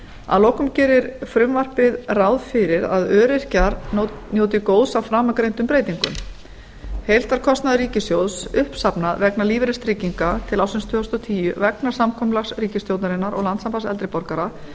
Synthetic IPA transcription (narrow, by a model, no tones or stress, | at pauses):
a̰ðloːwkʏmcɛːɾɪɾ̥fɾʏmvar̥pɪðrawðfɪɾɪɾa̰ðœːɾɪr̥caɾnjoːwt̪̬ɪkoːwðsawfɾaːmakɾejnt̪ʏmpɾejt̪iŋkʏ̰m | hejl̥t̪aɾ̥kʰɔst̪naðɾiːcɪst̪jowðsʏhpsapnaðvɛknaliːvɪɾɪst̪ɾiciŋkat̪ʰɪlawsɪnst̪ʰʏːst̪ɔt̪ʰiːjʏvɛknḁsamkʰɔmlaxsriːcɪst̪jowt̪naɾɪnːaɾɔ̰ɣlant̪sampasɛlt̪ɾɪpɔɾkaɾa